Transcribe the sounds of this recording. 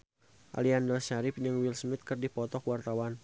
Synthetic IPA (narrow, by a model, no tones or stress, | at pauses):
ʔa̰liandəlʃaɾɪp̚d͡ʒəŋwilsmɪt̪̚kərdipɔt̪ɔkwart̪awan